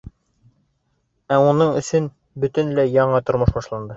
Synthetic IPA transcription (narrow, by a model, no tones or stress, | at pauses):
æunɤɴɵ̆sɵn | bɵ̆t̪ɘnlæjɒɴɑt̪ŏɾmɤ̆ʃbɒʃlˠɑnd̪ɤ